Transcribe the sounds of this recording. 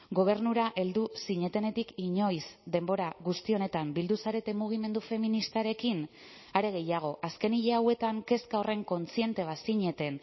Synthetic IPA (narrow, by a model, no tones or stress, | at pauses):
ɡo̞β̞e̞ɾnuɾaʔe̞ld̪usiɲe̞t̪e̞ne̞t̪ikiɲo̞jzd̪e̞mbo̞ɾaɣust̪io̞ne̞t̪ambild̪usaɾe̞t̪e̞muɣ̞ime̞nd̪ufe̞minist̪aɾe̞kin | aɾe̞ɣ̞e̞jaɣ̞o̞ʔaske̞niʎeawe̞t̪aŋke̞skao̞re̞ŋko̞nt͡sie̞nt̪e̞β̞asiɲe̞t̪e̞n